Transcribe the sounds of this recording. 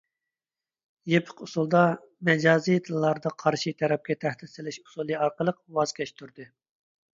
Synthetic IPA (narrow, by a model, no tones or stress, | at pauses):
jepʰə̥qusulˠd̪ɑ | mɛd͡ʒɑːzijt̪ʰɨlˠlːˠɑɾd̪ɑqʰɑɾʃit̪ʰɛɾɛp̚kʲɛt̪ʰæhd̪ɪt̪sɪlɪʃu̥sulˠɨɑɾqəlˠəq̚wɑz̥kʲʰɛʃt̪ʰuɾd̪ɨ